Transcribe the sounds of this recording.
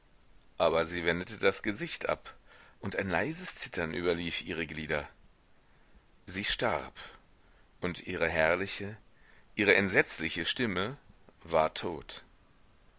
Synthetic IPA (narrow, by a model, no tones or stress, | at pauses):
ʔaːbɐziːvɛndətədasɡ̥əzɪçtʔa̰pʔʊntaɪnla̰ɪzəst͡sɪtʰɐnʔy̰ːbɐliːfʔiːʁ̞əɡliːdɐ | ziːʃta̰ʁp | ʔʊntʔiːʁ̞əɦɛɐlɪçə | ʔiːʁəʔɛntz̥ɛt͡slɪçəʃtɪməvaːɐtʰoːt